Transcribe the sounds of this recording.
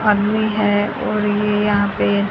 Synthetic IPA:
ad̪miɦɛ | ɔːɾjeejɐɦãpe

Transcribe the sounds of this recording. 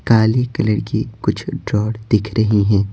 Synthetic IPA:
kaːlikɐləɽkikʊt͡ʃʰɖɾɔːɽd̪̥ɪkʰɾɐɦiɦɛ̃ː

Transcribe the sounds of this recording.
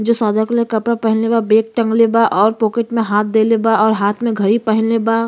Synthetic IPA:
d͡ʒoːsaːd̪ʱəklekɐpɽapɛɦɪ̃nlebabeːk̚ʈə̃ŋɡlebaʔɔːɾpoːkeʈmẽɦaːt̪̚ʰd̪eːlebaɔːɾɦaːt̪ʰmẽɡʱɐɾipɛɦɪ̃nleba

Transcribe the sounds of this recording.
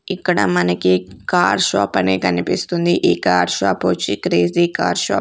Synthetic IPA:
ikːɐɽɐmɐnɐkikaːɾʃa̰ːpɐneːkɐnipist̪und̪iʔiːkaːɾʃaːpoːt͡ʃikɾeːziːka̰ːɾʃa̰ː

